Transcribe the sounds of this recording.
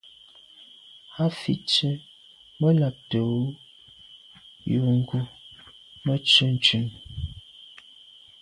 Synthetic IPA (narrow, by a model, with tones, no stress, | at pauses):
ha˦fḭ˨t͡ʃə˦ | mə˦la˨k̚to˨˦ | ju˨ŋ̩˦ɡu˦ | mə˦t͡ʃə˦n˦t͡ʃʉ˦˨ŋ